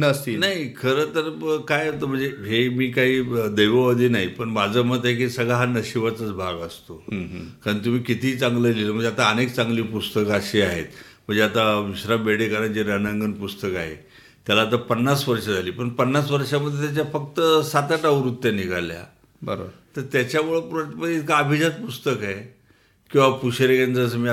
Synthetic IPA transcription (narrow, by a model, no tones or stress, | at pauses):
nst̪inaɦikʰəɾət̪əɾkajat̪əm̤əɳd͡zeɦemiːkaɦiːəd̪əjʋəʋəd̪ʱiːnaɦipəɳbad͡zəmət̪ajkisəɡɭaɦanəɕiʋat͡sət͡sbʱaɡəst̪okaɾəɳt̪̬um̤iːkit̪iːt͡saŋɡləliːt̪əm̤əɳd͡zeat̪aənek̚t͡sãŋɡliːpust̪əkaɕiaɦet̪m̤əɳd͡zeat̪aʋiɕɾabeɽekaɾənd͡ʑeɾənəŋɡənpust̪əkaɦḛ | t̪jalaːt̪̬əpənːasʋəɾʂad͡zʱaliːpəɳpənːasʋəɾʂaməd̪ʱjet̪̬ʲat͡ɕafək̚t̪əsat̪aʈaʋɾut̪ːjaniɡʱa̰lja̰ | bəɾt̪əɾt̪jat͡ɕjamuɭəpuɾət̪pəit̪kaəbʱid͡ʑat̪̚pust̪əkaɦe | kĩw̃ʋapuɕeɾekand͡zəəs̬əmi